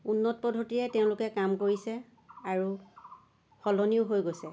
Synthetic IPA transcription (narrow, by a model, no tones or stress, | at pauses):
unːɔt̚pɔdʱotiɹɛtɛʊ̃lʊkɛkamkoɹisɛ | aɹu | xɔlɔniʊɦojɡojsɛ